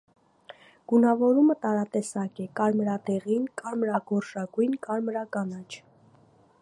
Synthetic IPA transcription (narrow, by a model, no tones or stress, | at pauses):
ɡ̥unɑvɔɾumət̪ɑɾɑt̪ɛsɑkɛkɑɾmɾɑd̪ɛʁinkɑɾmɾɑɡɔɾʃɑɡujnkɑɾmɾɑkɑnɑt͡ʃʰ